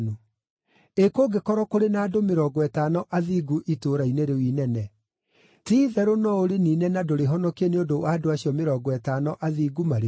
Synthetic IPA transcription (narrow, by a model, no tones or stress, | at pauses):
no | ekoɡekɔɾɔkoɾenaːdomeɾɔɡɔɛtanɔʔaðiːɡuʔitoːɾaineɾewinɛnɛ | tiːðɛɾonɔoɾeniːnɛnadoɾeɦɔnɔkeneodowaːdoaɕiɔmeɾɔɡɔɛtaːnɔʔaðiːɡumaɾe